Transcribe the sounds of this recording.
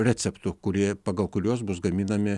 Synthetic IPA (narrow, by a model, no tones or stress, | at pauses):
ɾʲrʲæːt̪sʲɛpt̪ʊkʊɾʲiɛpɐɡɐlˠkʊɾʲuɔs̬bʊsɡɐmʲiːnɐmʲɪ